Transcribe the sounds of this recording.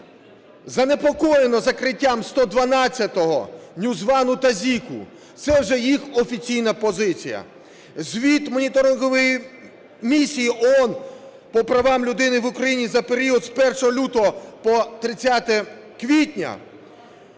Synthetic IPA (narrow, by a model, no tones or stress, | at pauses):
zɐnepɔkɔjenɔzɐkɾɪtʲːamst̪ɔd̪ʋɐnɑt͡sʲːɐt̪ɔɦɔ̰nʲuzʋɑnʊt̪ɐzʲikʊ̰ | t̪sɛwʒɛjixɔfʲit͡sʲijnɐpɔzɪt͡sʲijɐ̰ | zʲʋʲit̪mɔnʲit̪ɔɾɪnɦɔʋɔji | mʲisʲijiʔɔɔn | pɔpɾɐʋɑmlʲʊd̪ɪnɪʋʊkɾɐjinʲizɐpeɾʲiɔd̪spɛrʃɔɦɔlʲut̪ɔɦɔpɔt̪ɾɪt͡sʲat̪ɛ | kʋʲitʲnʲɐ̰